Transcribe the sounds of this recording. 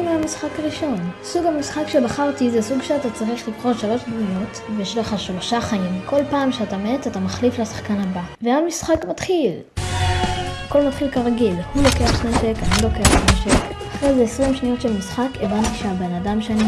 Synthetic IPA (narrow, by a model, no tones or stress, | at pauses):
meamisχakaʁiʃo̞nsuɡamisχakʃebaχaʁtizesuɡʃeatat͡saʁiχlivχo̞tʃalo̞ʃzino̞t | vejɛʃleχaʃloʃaχaimkʰo̞lpaːmʃeatametatamaχliflasḁχkanabaveamisχakmatχil | ko̞lmatχilkaʁaɡilhulo̞kejaχsneʃekanulo̞kejaχsnemʃek | aχʁejzeesʁimʃnijo̞tʃelmisχakevantiʃeabe̞nadamʃeani